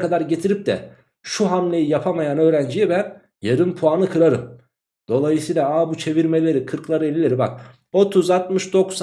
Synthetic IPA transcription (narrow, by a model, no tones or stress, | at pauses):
kʰad̪aɾɟe̞t̪ʰiɾip̚d̪ɛ̰ | ʃuɦamlʲe̞jijapʰamajanø̞ːɾænd͡ʒijɛbæn | jaɾɯnpʰuanɯkʰɯɾaɾɯm | d̪̥o̞lˠajɯsiːlˠaaːbut͡ʃʰe̞viɾme̞lʲe̞ɾikʰɯɾklˠaɾɯelʲːilʲeɾiba̰k̚ | o̞t̪ʰuzat̪mɯʃd̪o̞ks